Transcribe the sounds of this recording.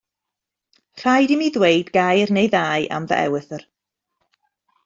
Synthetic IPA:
r̥ajdɪmiðwejdɡajrnejðaːjʔa̰mvə̰ʔɛ̰wɨθər

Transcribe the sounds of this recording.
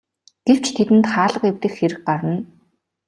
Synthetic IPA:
ɡ̥ew̥t͡ɕt̪ʰet̪ɘ̆nt̪χaːɮə̆qewt̪ɘ̆xxeɾɘ̆x̚ɢaɾə̆n

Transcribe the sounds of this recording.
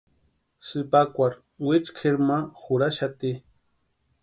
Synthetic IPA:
sɨpakʷaɾ | wɪt͡ʃkʰeɾmaxʊɾaʃat̪i

